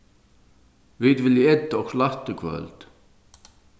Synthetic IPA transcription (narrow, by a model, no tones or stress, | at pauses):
vɪd̪vɪljɛt̪ːɔkslaht̪əkʰvœ̰lt̪